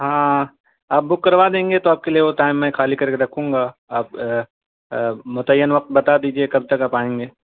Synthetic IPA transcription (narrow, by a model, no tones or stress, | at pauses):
ɦãː | aːp̚bʊkːɐɾʋad̪ẽːŋɡet̪oaːp̚kelieʋoʈaːɪmːɛ̃xaːlikɐɾkeɾɐkʰũːŋɡaaːp | mʊt̪əjːənʋɐq̚t̪̚bɐt̪ad̪iːd͡ʒiekɐb̚t̪ɐkaːpaːẽːŋ̆ɡeː